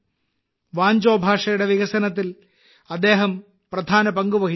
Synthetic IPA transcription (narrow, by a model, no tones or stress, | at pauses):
ʋaːɲd͡ʑoːbʱaːʂɐjuɽe̞ʋiɣɐsɐnɐt̪̬ːil | ɐd̪ːe̞ːɦɐm | prɐd̪ʱaːnɐpɐŋɡuʋɐɦi